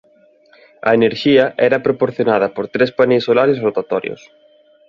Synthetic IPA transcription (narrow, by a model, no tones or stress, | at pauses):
ɐ̰eneɾʃiɐʔɛɾɐpɾopoɾθjonað̞ɐpoɾt̪ɾespanĩsolaɾezrot̪at̪ɔɾjo̰s